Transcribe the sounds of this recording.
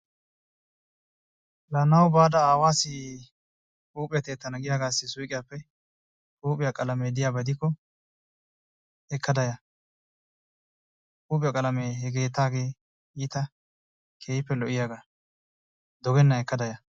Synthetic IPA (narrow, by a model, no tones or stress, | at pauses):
lɐnɐwbaːd̪ɐaːwaːsɪ | kʼuːpʼɪjɐt̪eːt̪ːɐnɐɡɪjaːɡaːsːɪsujkʼɪjaːpːɛ | kʼuːpʼɪjakʼɐlɐmeːd̪ɪjaːbɐd̪ɪkːɔ | ɛkːɐd̪ɐjɐ | kʼuːpʼɪjakʼɐlɐmeːhɛɡe̞ːt̪ːaːɡe̞ː | iːt̪ɐ | kʰeːjɪpːɛlɔʔɪjaːɡa | d̪ɔɡɛnːɐɛkːɐd̪ɐjɐ